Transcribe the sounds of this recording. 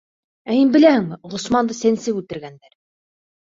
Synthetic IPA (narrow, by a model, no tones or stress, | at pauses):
æhinbɘ̆læhɘŋmɘʁŏsmɑnd̪ɤsænsɘkʉt̪ɘ̆ɾɡænd̪æɾ